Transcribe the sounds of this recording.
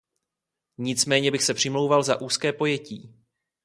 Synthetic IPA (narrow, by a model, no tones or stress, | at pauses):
ɲɪt͡smɛːɲɛbɪxsɛpr̝̥ɪmlo̞wvalza̰ʔuːskɛːpo̞jɛciː